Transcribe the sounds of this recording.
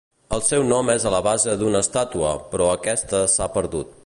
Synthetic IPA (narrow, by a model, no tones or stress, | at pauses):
əlˠsɛwnɔmɛzələβ̞azəd̪unəst̪at̪uəpɾɔəkɛst̪əsapəɾðut̪̚